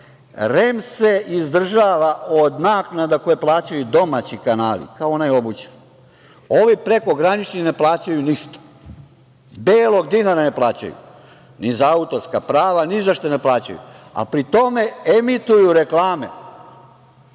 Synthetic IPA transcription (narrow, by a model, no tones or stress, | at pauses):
ɾemse̞ʔizd̪r̩ʒaːʋaʔod̪naːknad̪ako̞jeplˠaːt͡ɕajud̪o̞mat͡ɕikanaːlḭkaoonajeo̞but͡ɕ | o̞ʋipɾe̞ko̞ɡɾanit͡ʃnine̞plˠaːt͡ɕajuniʃt̪o̥ | beːlˠo̞ɡ̚d̪inaɾane̞plˠaːt͡ɕa̰jṵ | nizaaut̪o̞ɾskapɾaːʋanizaʃt̪oneplˠaːt͡ɕa̰jṵa̰pɾit̪o̞me̞emit̪ujuɾeklaːmḛ